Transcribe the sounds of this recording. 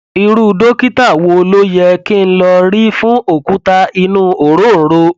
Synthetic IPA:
i˧ɾu˧do˦ki˦ta˦˨wo˧lo˦jɛ˧ki˦n̩˦lɔ˧ɾi˦fũ˦ʔo˦˨ku˦ta˧i˧nũː˦o˨ɾo˦˨n̩˨˦ɾo˧

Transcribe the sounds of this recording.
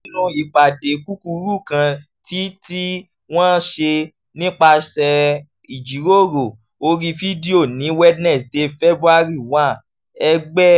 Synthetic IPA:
lũ˧i˨k͡pa˨de˨˦ku˦ku˧ɾu˦˨kã˧ | ti˨˦ti˦ | w̃ɔ̃˦ʃe˧ | nĩ˦k͡pa˧ʃɛ˧ | i˨d͡ʒi˨˦ɾo˦˨ɾo˨ | o˧ɾi˧fi˦di˦o˦˨nĩ˨˦wɛ˦dnɛ˦˨sde˧fɛ˦bɾu˦a˦ɾi˦˨wã˦˨ | ɛ˧ɡ͡bɛ˦

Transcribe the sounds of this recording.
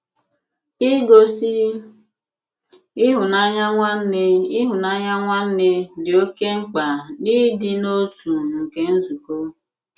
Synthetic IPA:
i˦ɡo˨si˦ | ɪ˦ɦʊ˨na˦ɲa˦ŋʷa˦n̩˦ne˦ɪ˦ɦʊ˨na˦ɲa˦ŋʷa˦n̩˦ne˦dɪ˨o˦ke˦ŋ͡m̩˦k͡pa˨ni˦dɪ˨no˦tu˨ŋ̩˨ke˦n̩˦zu˨ko˦

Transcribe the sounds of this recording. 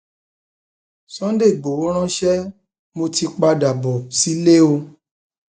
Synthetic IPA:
sɔ̃˨˦de˦˨ɡ͡bo˨wo˨˦ɾ̃ã˦ʃɛ˦ | mo˧ti˧k͡pa˧da˨bɔ˨si˨˦le˦o˧

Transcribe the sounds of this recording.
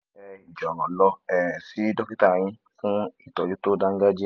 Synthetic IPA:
ɛ˧i˨d͡ʒɔ˨ɔ̰̃˨lɔ˧ɛ˨si˨˦dɔ˦ki˦ta˦˨j̃ĩ˧ | fũ˦i˦˨tɔ˨d͡ʒu˦to˦dã˦ŋ̩˦ɡa˦d͡ʒi˦

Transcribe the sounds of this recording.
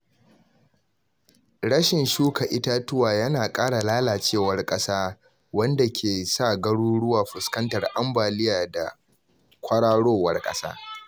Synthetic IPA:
ɽɐ˦ʃɪ˨nʃuː˦ka˨ʔɪ˦ta˦tʊ˦waː˨jɐ˦naː˨kʼaː˦ɽa˨laː˦laː˨t͡ʃeː˦˨wɐ˦rkʼɐ˦saː˦ | wɐ˦nda˨kʲʰeː˨sa˦˨ɡɐ˦ɽuː˦ɽʊ˦waː˨ɸʊ˨skɐ˦ntɐ˨rʔa˦mbaː˨lɪ˦jaː˨da˨ | kʷɐ˦ɽaː˦ɽoː˦wɐ˦rkʼɐ̰˦sa̰ː˦

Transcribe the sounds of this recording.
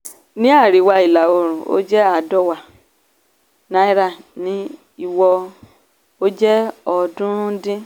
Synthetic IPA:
nĩ˦a˦˨ɾi˨˦wa˧i˨la˨o˧ɾ̃ũ˨o̰˦d͡ʒɛ˦a˦˨dɔ˦˨wa˨ | na˨˦i˦ɾa˦˨nĩ˨˦ | i˧wɔ˧ | o˦d͡ʒɛ˦ɔ˧dũ˦dĩ˦

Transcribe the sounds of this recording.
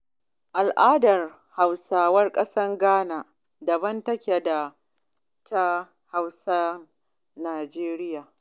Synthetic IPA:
ʔa˨lʔaː˦dɐ˨r | ha˨wsaː˨wɐ˦rkʼɐ˦sɐ˦ŋɡaː˦naː˨ | dɐ˨bɐ˦ntɐ˦kʲe˨da˨ | tʰa˦ | ha˦wsa˦ | naː˨d͡ʒeː˦ɾɪ˦jaː˨

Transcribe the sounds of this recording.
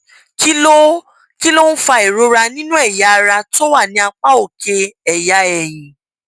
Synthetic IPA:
ki˦lo˦ | ki˦lo˦n̩˦fa˧e˨ɾo˨˧ɾa˧nĩ˦nũ˦ɛ˦˨ja˨˧ɾa˧to˦wa˦˨nĩ˧˦a˧k͡pa˦o˦˨ke˧ɛ˨ja˧˦ɛ˨j̃ĩ˨

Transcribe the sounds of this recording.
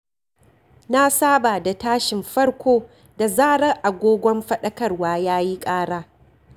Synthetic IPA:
na˦saː˦ba˨da˨taː˦ʃɪ˨mɸɐ˦ɽkʷoː˦ | da˨zaː˦ɽɐ˦ŋʔa˨ɡʷoː˦ɡʷɔ˦mɸɐ˦ɗɐ˦kɐ˦˨rwaː˦jaː˦ji˦kʼaː˦ɽaː˦

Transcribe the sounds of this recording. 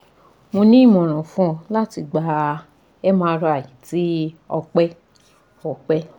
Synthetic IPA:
mo˧nĩ˦˨mɔ̃˨ɾ̃ã˨fũ˦˧la˦ti˧ɡ͡ba˧ | ɛ˦mãː˦˧ɾɔ˧a˨ji˨˦ti˦ɔ˧k͡pɛ˦ | ɔ˨k͡pɛ˦

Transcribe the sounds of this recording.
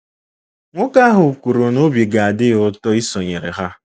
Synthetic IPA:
ŋʷʊ˦ka˦ɦʊ˨kʷu˨ɾo˨no˦bji˨ɡa˨a˨dɪ˦ʊ˦tɔ˦i˦sɔ˨ɲe˨ɾḛ˨ɦa˦

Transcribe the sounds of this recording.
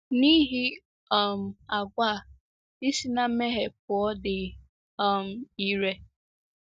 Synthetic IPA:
ni˦ɦi˦ | ɔ˦m̩˨a˨ɡʷa˦˨ | i˦si˦na˦m˦me˦ɦe˨p̚ʊ˨ɔ˦dɪ˨ | ɔ˦˨m̩˨i˦ɾe˦

